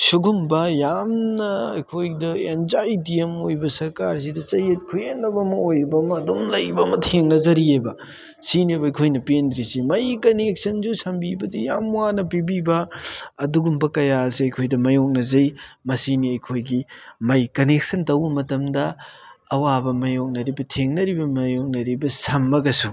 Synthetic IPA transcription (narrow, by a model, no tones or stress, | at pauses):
suɡumbɐjamnɐɐjkʰojdɐenzajdiemojbɐsɐɾkaɾs̬idɐt͡ʃɐjet̚kʰuenːɐbɐmɐojbɐmɐːdomlɐjbɐmɐtʰeŋnɐzɐɾiebɐ | sinebɐɐjkʰojnɐpendɾisimɐjkɐnek̚sɐnzusɐmbibɐdijamwanɐpibibɐːduɡumbɐkɐjasiɐjkʰojdɐmɐjok̚nɐzɐjmɐsiniɐjkʰojɡimɐjkɐnek̚sɐntɐwbɐmɐtɐmdɐː | wabɐmɐjok̚nɐɾibɐtʰeŋnɐɾibɐmɐjok̚nɐɾibɐsɐmːɐɡɐsu